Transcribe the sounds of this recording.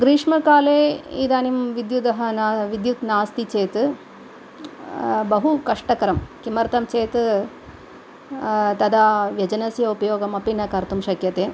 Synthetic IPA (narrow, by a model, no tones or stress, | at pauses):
ɡɾiːʂmɐkaːleːḭd̪aːnimʋid̪jud̪ɐɦɐnaʋid̪jut̪naːst̪it͡ʃeːt̪ | bɐɦukɐʂʈɐkɐɾɐmkimɐɾt̪ɐmt͡ʃeːt̪ | t̪ɐd̪aːʋjɐd͡ʒɐnɐsjɐupɐjoːɡɐmɐpinɐkɐɾt̪umʃɐkjɐt̪eː